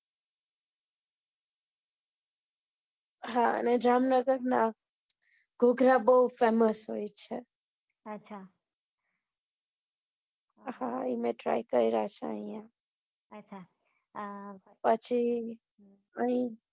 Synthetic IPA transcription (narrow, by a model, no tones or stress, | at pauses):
ɦã̰nɛɖɾamnəɡəɾna | ɡʱuɡɾabəɦufeməsɦojt͡ʃʰɛ | ɐtːt͡ʃʰa | hãimẽʈɾa̰jkəɾiɾaɦt͡ʃʰaə̰̃ĩã | ɐtːt͡ʃʰa | pət͡ʃʰi | əĩ